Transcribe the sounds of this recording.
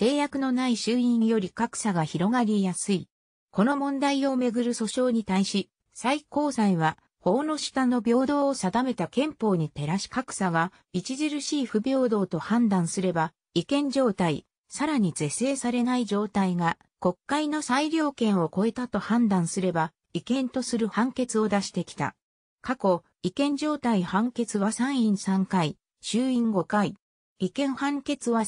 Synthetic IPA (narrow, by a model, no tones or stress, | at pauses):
t̪e̞ːjakɯ̟no̞naiɕɨːĩɰjo̞ɾʲikakɯ̟̥saɡaçiɾo̞ɡaɾʲijasɨi | ko̞no̞mõ̞nd̪aio̞me̞ɡɯ̟ɾɯ̟so̞ɕo̞ːɲ̟it̪aiɕi | saiko̞ːsãiβa | ho̞ːno̞ɕi̥t̪ano̞bʲo̞ːd̪o̞ːsad̪ame̞t̪akẽ̞mpo̞ːɲ̟it̪e̞ɾaɕi̥kakɯ̟̥saɡa | it͡ɕiʑiɾɯ̟ɕiːɸɯ̟bʲo̞ːd̪o̞ːt̪o̞hãnd̪ãɰ̃sɨɾe̞ba | ikẽ̞ɲ̟d͡ʑo̞ːt̪ai | saɾaɲ̟ize̞se̞ːsaɾe̞naid͡ʑo̞ːt̪aiɡa | ko̞kːaino̞saiɾʲo̞ːkẽ̞ɰ̃o̞ko̞e̞t̪at̪o̞hãnd̪ãɰ̃sɨɾe̞ba | ikẽ̞nt̪o̞sɨɾɯ̟hãŋke̞t͡sɨo̞d̪aɕi̥t̪e̞kʲi̥t̪a̰ | kako̞ | ikẽ̞ɲ̟d͡ʑo̞ːt̪aihãŋke̞t͡sɨβasãɰ̃ĩɰ̃sãŋkai | ɕɨːĩŋɡo̞kai | ikẽ̞ɰ̃hãŋke̞t͡sɨβa